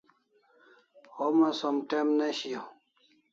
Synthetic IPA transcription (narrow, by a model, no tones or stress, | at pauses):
homasomʈemneɕio